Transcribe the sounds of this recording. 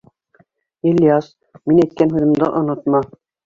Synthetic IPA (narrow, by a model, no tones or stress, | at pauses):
elʲːijɑs | minæjt̪̚kænɦʉðɘ̆md̪ɑʔŏnot̪mɑ